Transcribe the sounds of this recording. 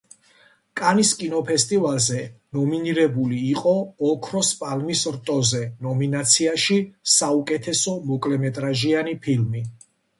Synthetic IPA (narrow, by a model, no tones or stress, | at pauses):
kʼaniskʼinɔpʰɛst̪ʼivalˠzɛnɔminiɾɛbuliːqʼɔɔkʰɾɔspʼalmisɾt̪ʼɔzɛnɔminat̪sʰiaʃisaukʼɛt̪ʰɛsɔmɔkʼlɛmɛt̪ʼɾaʒianipʰilmi